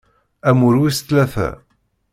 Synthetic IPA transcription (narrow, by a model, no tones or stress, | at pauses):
æmʊɾwist̪læθæ̰